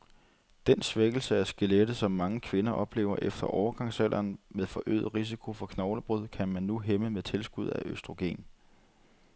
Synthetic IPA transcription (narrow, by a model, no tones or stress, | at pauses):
d̥ensʋeɡ̥l̩səæsɡ̥e̝led̥əsɒ̽mːɑ̈ŋəkʰʋe̝nɐʔɒ̽b̥le̝̰ːʊ̰ɐʔefd̥ɐʔɒʊɐɡ̥ɑ̈ŋ̰sælʔɐːnmeðˠfɒ̽ʔø̰ːð̩ˠʁis̬ikʰo̝fɒ̽kʰnɒʊləb̥ʁuð̞̰ˠkʰæmænːuɦeməmeðˠt͡sʰe̝lsɡ̥uð̞̰ˠæʔøsd̥ʁo̝ɡ̥e̝̰ːn